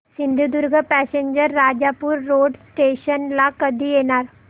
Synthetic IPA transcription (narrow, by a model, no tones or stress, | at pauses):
sɪ̃nd̪ʱud̪ʊɾɡʱəpɛːseɲd͡ʒəɾːaːd͡ʒapuɾːoːɖsʈeːʃənlaːkəd̪ieːnaːɾ